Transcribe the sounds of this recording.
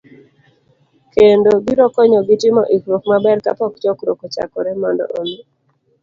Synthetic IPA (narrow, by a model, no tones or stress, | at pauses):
kendobiɾɔkɔɲɔɡɪtɪmɔʔikɾokmabɛrka̰pɔkt͡ʃɔkɾokot͡ʃa̰kɔɾɛmɔndɔ̰ʔome